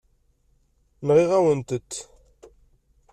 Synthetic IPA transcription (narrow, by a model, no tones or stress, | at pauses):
nʁiʁæwənt̪ət̪ː